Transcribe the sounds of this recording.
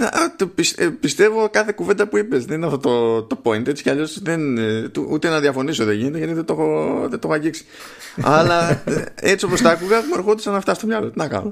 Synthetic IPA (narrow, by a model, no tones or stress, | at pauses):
neʔt̪pispist̪e̞vokɐθe̞kuvend̪ɐpuipe̞zðeninɐft̪ot̪ot̪o̞po̞int̪et͡si̥ceɐʎo̞sðent̪uut̪e̞nɐðiɐfo̞nisoðeʝine̞t̪eʝɐt̪iðet̪o̞xoðet̪o̞xoɐɟiksi̥ | ɐ̰lɐet͡sio̞po̞st̪ɐːkuɣɐumoeɾxod̪isɐnɐft̪ɐst̪oʎɐlot̪nɐkɐ̰no